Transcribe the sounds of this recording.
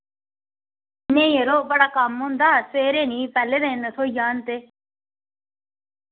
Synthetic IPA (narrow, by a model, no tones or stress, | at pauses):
nẽːjeɾoːbəɽaːkəmɦʊ̃nd̪aːseːɾeːnĩːpɛːlːed̪ẽːnət̪ʰoːjaːnt̪eː